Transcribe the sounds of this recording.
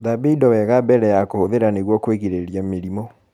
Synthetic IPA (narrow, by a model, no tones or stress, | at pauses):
ðabidɔwɛɣabɛɾɛjakohoðeɾaneɣwɔkweɣiɾeɾjameɾimɔ